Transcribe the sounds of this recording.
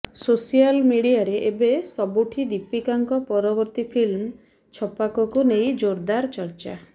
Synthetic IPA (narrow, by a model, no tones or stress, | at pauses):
sosialmiɽiaɾeʔebesɔbuʈʰid̪ipikaŋkɔpɔɾɔbɔɾt̪ipʰilm | t͡ʃʰɔpakɔkunejd͡ʒoɾd̪aɾt͡ʃɔɾt͡ʃa̰